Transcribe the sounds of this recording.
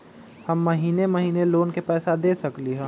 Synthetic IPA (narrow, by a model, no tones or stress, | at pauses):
hɐmːɐɦiːnemɐɦiːneloːnkepɛːsad̪eːsɐkliɦɛ̃ː